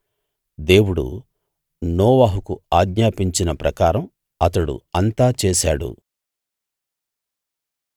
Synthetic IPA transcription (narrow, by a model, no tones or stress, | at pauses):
d̪e̞ːwuɽṵ | nɔːʋaːɦukuaːɡɲaːpiɲt͡ʃinɐpɾɐkaːɾɐm | ɐt̪ɐɽṵɐnt̪aːt͡ʃeːʃaːɽṵ